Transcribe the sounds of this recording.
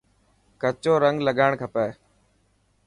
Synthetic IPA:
kət͡ʃoːɾəŋɡləɠaːɳkʰəpɛː

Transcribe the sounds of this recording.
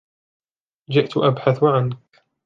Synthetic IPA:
d͡ʒɪʔt̪ʔabħaθʕank

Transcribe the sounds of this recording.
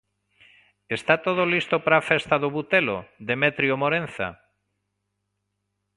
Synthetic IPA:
est̪at̪oð̞olist̪opɾafest̪aðʊβut̪elo̰ðemet̪ɾjomoɾẽnθa̰

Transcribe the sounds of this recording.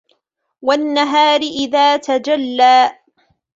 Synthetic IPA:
wanːaɦaːɾɪʔɪðaːt̪ad͡ʒalːaː

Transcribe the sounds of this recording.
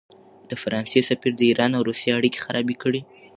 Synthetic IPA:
d̪̥əfaɾɑnsesafiɾd̪əiɾɑnawɾusijeaɽike̥xaɾʔɑbikəɽi

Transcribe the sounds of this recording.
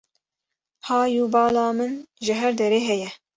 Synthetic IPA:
hɑːjuːbɑːlɑːmɨnʒɨɦɛɾd̪ɛɾeːɦɛjɛ

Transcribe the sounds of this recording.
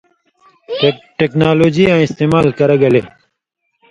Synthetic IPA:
ʈeknaːloːd͡ʒiːãːɪst̪eːmaːlkəɾəɡɐleː

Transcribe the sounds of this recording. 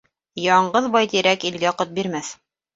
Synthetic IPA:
jɑɴɢɤðbɑjt̪iɾækilɡæqɤt̪̚biɾmæθ

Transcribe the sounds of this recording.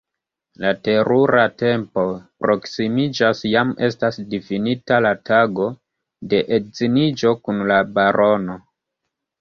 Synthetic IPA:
late̞ɾuɾʔate̞mpo̞pɾo̞ksimid͡ʒasjame̞stasdifinitalataɡo̞ | de̞ʔetzinid͡ʒo̞kunlabaɾo̞no̞

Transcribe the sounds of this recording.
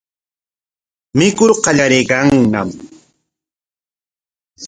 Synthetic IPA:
mɪkʊɾqɑʎaɾejkɑŋnam

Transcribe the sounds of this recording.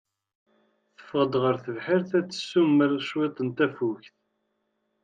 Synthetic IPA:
θə̥fəʁəd̪ʁəɾθəvħiɾθæt͡sːə̥sːumːəɾʃwet̪ˤənt̪æfuçθ

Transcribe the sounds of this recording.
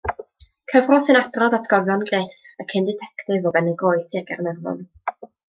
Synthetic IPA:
kʰəvrɔsɨnadrɔðatʰɡ̥ɔvjɔnɡreːθəkʰɪndɪtʰɛktɪvɔbɛnɛɡoːɨsiɛɡarnɛrvɔ̰n

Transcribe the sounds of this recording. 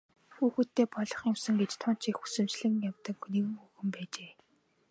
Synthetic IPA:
xuːxut̪ʰːeːpɔɮɞ̆χjʊmsɘ̆ŋɡet͡ɕt̪ʰɔn̥t͡ɕixu̥sɘ̆mt͡ɕɮɘ̆ɣɘ̆ŋjawt̪ə̆kniwɘ̆ŋɵxɵ̆mpæːt͡ɕeː

